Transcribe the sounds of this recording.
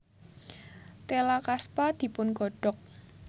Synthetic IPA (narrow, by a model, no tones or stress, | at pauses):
t̪elakaspad̪̥i̤pʊnɡ̥o̤ɖ̥ɔk̚